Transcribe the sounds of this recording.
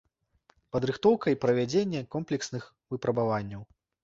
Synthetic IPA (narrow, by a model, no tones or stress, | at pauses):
pɐd̪ɾɨxt̪ɔwkɐipɾɐvʲad͡zʲenʲːɛkɔmplʲɛksnɨx | vɨpɾɐbavanʲːɐw